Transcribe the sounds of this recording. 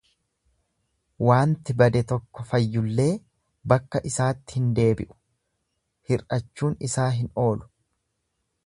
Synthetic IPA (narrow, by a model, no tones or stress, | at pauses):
waːnt̪ɪbɐd̪ɛt̪ɔkːɔfɐjːʊlːe̞ː | bɐkːɐʔɪsaːt̪ːɪ̥hɪnd̪e̞ːbɪ̰ʔʊ̥ | hɪrɐt͡ʃːuːnɪsaːɦɪno̞ːlʊ̥